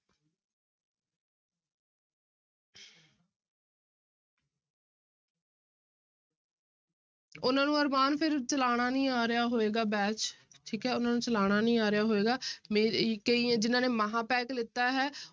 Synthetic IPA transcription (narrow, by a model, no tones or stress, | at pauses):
ʊnãːnũːəɾmaːnpʰɪɾt͡ʃəlaːɽ̃aːnĩːaːɾɪjaːɦoːeːɡaːbɛːt͡ʃʈʰiːkɦɛːʊnãːnũːt͡ʃəlaːɽ̃aːnĩːaːɾɪjaːɦoːeːɡaːmkĩd͡ʒɪnãːneːmaɦãːpɛːklɪt̪ːaːɦɛː